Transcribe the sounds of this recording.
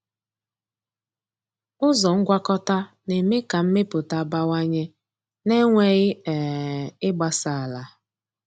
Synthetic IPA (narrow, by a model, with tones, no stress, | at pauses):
ʊ˦zɔ˨ŋ̩˦ɡʷa˦kɔ˦ta˦ | ne˨me˦ka˨m̩˦me˦pʊ˨ta˦˨ba˦wa˦ɲe˦ | ne˦ŋʷe˨ɣɪ˦ɛ˨ɪ˦ɡ͡ba˦sa˨a˨la˨